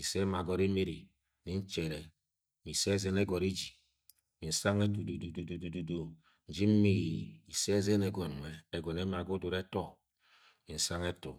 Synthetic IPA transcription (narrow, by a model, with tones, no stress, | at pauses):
i˨se˦ma˨ɡɔ˦ɾe˦me˦ɾi˨ | ni˦n̩˦t͡ʃe˨ɾe˨ | mi˨se˦zɛ˦ne˦ɡɔ˨ɾe˦d͡ʒi˨ | mi˨n̩˨sa˦ŋe˦t̬u˨du˨du˨du˨du˨du˨du˨du˦ | n̩˦d͡ʒi˦m̩˦mi˦ɣi˨i˨se˦ze˦ne˨ɡɔ˨n˨ŋʷe˨e˨ɡʷɔ˨ne˦ma˨ɡo˦du˨ɾe˦tɔ˦ | mi˨n̩˨sa˦ŋe˦tṵ˨